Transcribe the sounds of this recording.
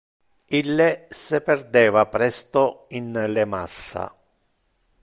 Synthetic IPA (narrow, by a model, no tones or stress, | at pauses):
ilːesɪperd̪ɛːvapɾɛst̪oinlɪmasːa̰